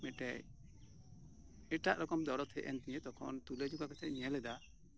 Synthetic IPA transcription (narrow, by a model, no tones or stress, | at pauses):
mɛʈɛj | ɛʈaʔɾɔkɔmd̪ɔɾɔt̪ʰɛʔɛnt̪iɲɛt̪̚d̪ɔkʰɔ̰nt̪uled͡ʒuɡakɛt̪ʰɛʔ̚ɲɛlɛd̪a